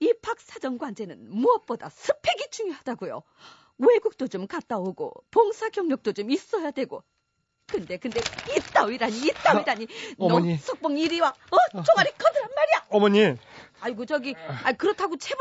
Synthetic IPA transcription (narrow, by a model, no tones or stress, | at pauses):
ipʰak̚s͈ad͡ʑʌŋɡwand͡ʑe̞nɯnmuʌp̚p͈oda̰sʰɯpʰe̞ɡit͡ɕuŋjoɦad̥aɡujo̰ | we̞ɡuk̚t͈ot͡ɕomkat̚t͈aoɡo̰poŋsʰaɡjʌŋɲʌk̚t͈ot͡ɕomis͈ʌjadwe̞ɡo | kɯnde̞kɯnde̞it͈aiɾaɲiːt͈aiɾaɲi | sʰʌk̚p͈oŋiɾiwaʌt͡ɕʌŋaɾik͈ʌdɯɾanmaɾijamʌɲiaiɡod͡ʑʌɡiaikɯɾʌtʰaɡot͡ɕʰeb